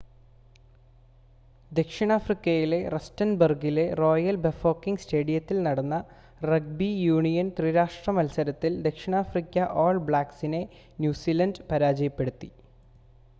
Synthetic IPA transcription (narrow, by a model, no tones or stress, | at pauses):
d̪e̞kʂiɳaːfrikʲːɐjile̞restɐnbɐrɡile̞ro̞ːjɐlbefo̞ːkːiŋɡste̞ːɽijɐt̪ːilnɐɽɐnːɐ | rɐɡ̚bijuːɳijɐnt̪riːɾaːʂʈrɐmɐlsɐɾɐt̪ːild̪e̞kʂiɳaːfrikʲːɐʔoːɭbɭaːksine̞ | njuːsiːlɐndpɐɾaːd͡ʑɐjɐpːe̞ɽut̪ːi